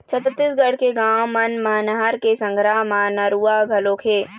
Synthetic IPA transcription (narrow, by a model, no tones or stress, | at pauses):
t͡ʃʰət̪t̪ːisɡəɽ̤keɡãːwmɐnmaːnɦaɾkesə̃ŋɡʱɾaːɦmaːnəɾuːaːɡʱɐloːkʰeː